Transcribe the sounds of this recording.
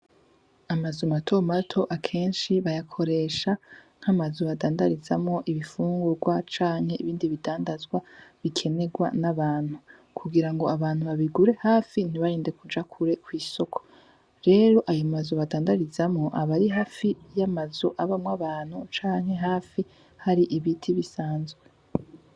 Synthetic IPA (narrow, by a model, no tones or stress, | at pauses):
amazomatʰo̞matʰo̞ʔakʰe̞ːnʃiβajakʰo̞ɾe̞ːʃaŋ̥hamazoβadaːndaɾizamŋo̞ʔiβifuːŋɡuɾɡwat͡ʃaːŋ̥he̞iβiːndiβidaːndazɡwaβikʰe̞ne̞ɡwa̰naβaːn̥hu | kʰuɡiɾaŋɡo̞aβaːnhuβaβiɡuɾe̞haːfin̥iβaɾiːnde̞kud͡ʒakʰuɾe̞kwiːso̞kʰo̥ | ɾe̞ːɾo̞ʔajomazoβadaːndaɾizamŋo̞ʔaβaɾiɦaːfijamazoʔaβamwaβaːn̥hut͡ʃaːŋ̥he̞ɦaːfi | haɾiʔiβitʰiβisaːnzɡwe